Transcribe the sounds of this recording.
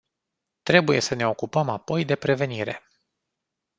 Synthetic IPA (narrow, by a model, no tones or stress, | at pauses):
t̪ɾe̞buje̞səne̞o̞kupəmapo̞jd̪e̞pɾe̞ve̞niɾe̞